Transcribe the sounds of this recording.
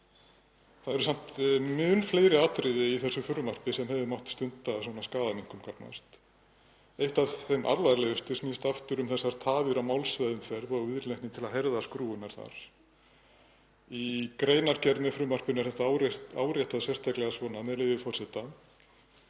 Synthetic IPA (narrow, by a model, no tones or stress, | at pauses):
θaðɛɾʏsam̥t̪mʏːnflejɾɪaːt̪ɾɪðɪiθɛsːʏfʏɾʏmar̥pɪsɛmhɛvðɪmawht̪st̪ʏnt̪asɔnaskaːðamiŋ̥kʏmkʰapna̰st̪ | ejht̪avθejmʔa̰ɾlvaɾlɛɣʏst̪ʏsmist̪aft̪ʏɾʏmθɛsːaɾ̥t̪ʰaːvɪɾamawlsvɛðʏmfɛɾðɔwvɪðɾleŋht̪nɪt̪ʰɪlaðɦeɾðaskɾuːʏnaɾ̥θa̰ɾ̥ | ikɾeːjnaɾcɛɾðnʏfɾʏːmar̥pʏnɛ̥θɛht̪aawɾa̰ːwɾjɛht̪aðsjɛst̪ʰaklɛɣasvɔːnamɛðlɪːvɪfɔr̥sɛt̪a